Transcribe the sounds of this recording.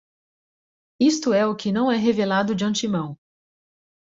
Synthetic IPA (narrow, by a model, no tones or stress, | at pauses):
ist̪ʊɛʊkɪnɐ̃w̃ɛɦevelad̪ʊd͡ʒɪɐ̃nt͡ʃimɐ̃w̃